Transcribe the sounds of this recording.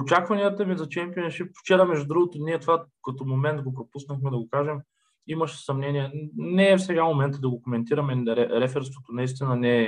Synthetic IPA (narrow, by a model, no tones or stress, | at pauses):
ot͡ʃakvɐniət̪əmizɐt͡ʃɛmpiɛnʃipt͡ʃɛɾɐmɛʒud̪ɾuɡot̪oniɛt̪ovakɐt̪omomɛnt̪ɡopɾopusnəxmɛd̪ɐɡokaʒɛm | imɐʃɛ̥sɐmnɛniɛnɛːfsɛɡamomɛnt̪əd̪ɐɡokomɛnt̪iɾɐmɛɾɛɾɛfɛɾst̪vot̪onɐis̬t̪inɐnɛː